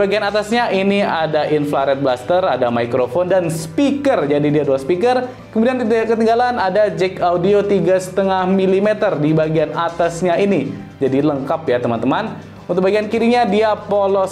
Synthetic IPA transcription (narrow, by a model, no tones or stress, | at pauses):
baɡianat̪asɲaʔiniadaʔinflaɾɛt̪̚blast̪əɾadamaikɾofɔndanspikərd͡ʒadidiaduaspikər | kəmudiankət̪əŋɡalanadad͡ʒɛkaudiot̪iɡasə̥t̪əŋahmilimet̪ərdibaɡianat̪asɲaini | d͡ʒadiləŋkapjat̪əma̰nt̪əman | unt̪ʊk̚baɡiankiɾiɲadiapolɔ